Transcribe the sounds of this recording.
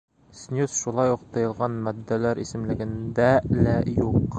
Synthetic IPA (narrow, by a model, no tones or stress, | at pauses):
snʲusʃulˠɑjuq̚t̪ɤ̆jɤ̆lˠʁɑnmɒd̪ːælæɾisɘ̆mlɘ̆ɡɘ̆nd̪ælæjuq